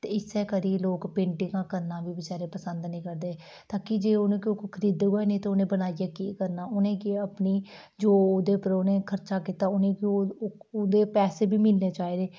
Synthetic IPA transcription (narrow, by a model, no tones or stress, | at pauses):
t̪eːɪsɛːkəɾiːloːkpẽːɳʈɪŋɡãːkəɾnãːʋiːbɪt͡ʃaːɾeːpəsənd̪nəĩːkəɾd̪eː | t̪aːkid͡ʒeːʊnẽːkɪoːkkʰəɾiːd̪ɡoaenẽːt̪eonẽːbənaːijaːkiːkəɾnaːʊnẽːkeəpniː | d͡ʒoːoːd̪eːpəɾoːnẽːkʰəɾt͡ʃaːkɪt̪aːʊnẽːkiood̪eːpɛːseːbiːmɪlneːt͡ʃaːeːd̪eː